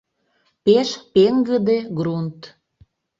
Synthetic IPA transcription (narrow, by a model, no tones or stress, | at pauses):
peʃpeŋɡəd̪eɡrunt̪